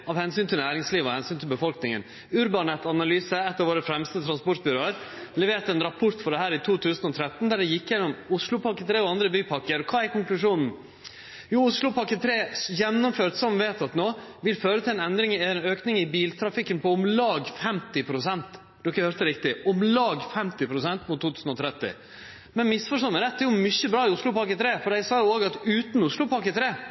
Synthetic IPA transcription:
ɑʋhɛnsyːnt̪ʰɪlnæːɾɪŋsliːʋɔhɛnsyːnt̪ʰɪlbəfɔlknɪŋə̰n | ʉɾbɑnɛt̪ːɑnɑlyːsəɛt̪ːəɾʋoːɾəfɾɛmst̪ət̪ʰɾɑnspɔʈ̪̚byːɾəɾlɛʋeːt̪ɛnɾɑpʰʊɾt̪fɔɖɛɦhæːɾɪt̪ʰuːt̪ʰʉːsnɔt̪ʰɾɛt̪ːn̩d̪æɖɛjɪkːjɛnːɔmʊʂlʊpʰɑkːət̪ʰɾeːɔɑnd̪ɾəbyːpʰɑkːəɾkʰɑːæɾkɔŋklʉʂuːnn̩ | juːʊslʊpʰɑkːət̪ʰɾeːjɛnːɔmføːʈ̪sɔmʋeːt̪ɑt̪noːʋɪlføːɾət̪ʰɪlɛnɛnd̪ɾɪŋɛnøːknɪŋɪbiːlt̪ʰɾɑfɪkːənpʰɔʊmlɑːɡfɛmt̪ɪpʰɾʊsɛnt̪ | d̪̥ɔkːəhœːɾt̪əɾɪkt̪ɪʔʊmlɑːɡfɛmt̪ɪpʰɾʊsɛnt̪mut̪ʰːuːt̪ʰʉːsn̩ɔt̪ʰɾɛt̪ːɪ̰ | mɛnmɪsfɔʂʈ̪ɔnːəɾɛt̪̚d̪ɛjʊmʏçːəbɾɑːɪʊslʊpɑkət̪ʰɾeːfɔɖæɪsɑːjʊoːɡɑt̪ʉːt̪n̩ʊslʊpɑkət̪ʰɾeː

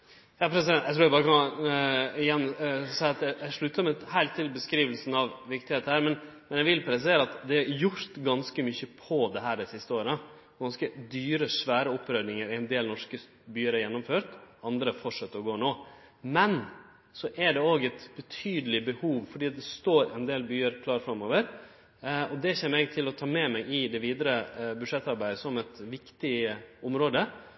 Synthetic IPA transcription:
jɑːpʰɾɛsɪd̪ɛnjɛɪt̪ɾuːjæbɑːɾəkɑ | ɪjɛnːsæɪɑt̪jææʂɭʉt̪ːəmɛhæɪlt̪ʰːɪlbəskɾiːʋəlsən̩ɑʋʋɪkt̪ɪheːt̪ːəhæːɾmɛn | mɛnjæɪʋɪlpʰɾɛsɪseːɾəɑt̪d̪ɛæjʊɾt̪ɡɑnskəmʏçəpʰɔd̪ɛɦæːɖɛsɪst̪əoːɾə | ɡɑnskəd̪yːɾəʂʋæːɾəɔpːɾœd̪nɪŋəɾɛnd̪eːlnɔʂkə | byːəɾæɾjɛnːʊmføːɾt̪ɑnd̪ɾəfɔʂɑt̪ːəɾɔɡoːnoː | mɛn | sɔʔæɖɛoːɡɛɪt̪b̥ət̪ʰyːd̪əlɪbəhuːʋfɔɖiːɑt̪̚d̪ɛst̪oːɾɛ̰nd̪eːlbyːəɾkʰlɑːɾfɾɑmoːʋəɾ | ɔd̪ɛçɛːmːəɛɡt̪ʰɪlɔt̪ʰɑːmɛmɛɡɪd̪ɛʋiːd̪əɾəbʉʂɛt̪ːɑɾbæɪd̪əsɔmɛt̪ʋɪkt̪ɪʊmɾoːd̪ə

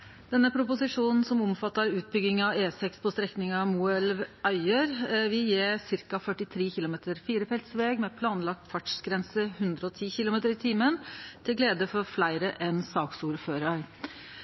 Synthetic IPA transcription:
d̪̥ɛnːəpʰɾʊpʊsɪʂuːnn̩sɔmʊmfɑt̪ːəɾʉːt̪̚bʏɡɪŋɑeːsɛkspʰɔst̪ɾɛknɪŋɑmuːɛlʋœʏəɾʋɪljeːsɪɾkɑfœʈɪt̪ʰɾeːçɪlʊmeːt̪əɾfiːɾəpʰɛlt̪sʋeːɡmɛːpʰlɑːnlɑk̚t̪fɑʈʂɡɾɛnsəhʉnd̪ɾəɔt̪ʰiːçɪlʊmeːt̪əɾɪt̪ʰiːmənt̪ʰɪlɡleːd̪əfɔɾflæɪɾəʔɛnsɑːksuːɾføːɾɑɾ

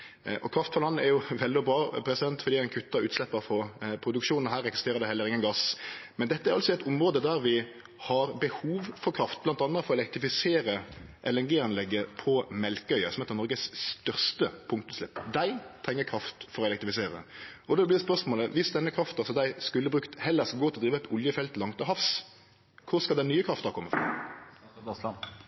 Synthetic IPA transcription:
ʔɔkʰɾɑft̪fɔʁlɑnːəɛɾjʊʋɛld̪ɪɔbɾɑːpʰɾɛsd̪ɛnt̪fɔɾd̪iːæɪnkʰʉt̪ːɑʉːt̪slɛpːəɾfɔpʰɾʊd̪ʉkʂuːnn̩ɦæːɾɛksɪ̥st̪eːɾəd̪ɛhɛlːəɾɪŋːənɡɑsmɛnd̪ɛt̪ːəæɾɑlsɔɛɪt̪ʊmɾoːd̪əd̪æɾʋɪ | hɑɾbəhuːʋfɔɾkʰɾɑft̪̚blɑnt̪ɑnːəfɔɾɔɛlɛk̚t̪ɾɪfɪseːɾəʔɛlɛɾɡiːɑnlɛɡːəpʰɔmɛlkəœʏəsɔmɛt̪əʁnɔɾɡəsst̪œʁst̪əpʰʊŋk̚t̪ʊslɪpːd̪æɪt̪ʰɾɛŋːəkʰɾɑft̪fɔɾɔɛlɛk̚t̪ɾɪfɪseːɾə̰ɔd̪ɛblɪd̪ɛspœʁsmoːləʋɪsd̪ɛnːəkʰɾɑft̪ɑsɔd̪æɪskʉlːəbɾʉkt̪hɛlːəʁskɑlɡoːɪɔd̪ɾiːʋəɛt̪ʊljəfɛlt̪lɑŋt̪ɔɦɑfs | kʰʊʁskɑld̪ɛnnyːəkʰɾɑft̪əkʰɔmːəfʁɑ̰

